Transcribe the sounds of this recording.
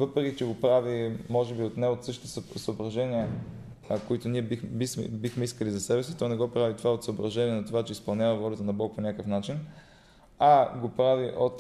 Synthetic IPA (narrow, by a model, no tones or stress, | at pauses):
vɤpɾɛkʲit͡ʃɛɡopɾavimɔʒɛbiot̪nɛot̪sɤʃt̪t̪ossəobɾɐʒɛniɛ | koit̪oniɛbibismɛ̰bixmɛiskəlizɐsɛbɛsit̪ɔnɛɡɔpɾavit̪ovaot̪səobɾɐʒɛniɛnɐt̪ovat͡ʃɛispɐlˠnʲavɐvɔlʲət̪ənɐbɔk̚ponʲakəfnat͡ʃin | aɡopɾaviʔot̪